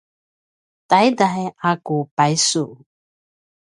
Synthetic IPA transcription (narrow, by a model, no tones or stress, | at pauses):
tajdaɦeakupajsu